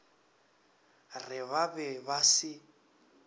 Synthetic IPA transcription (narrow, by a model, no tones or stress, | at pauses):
rɪβabɛβasɪ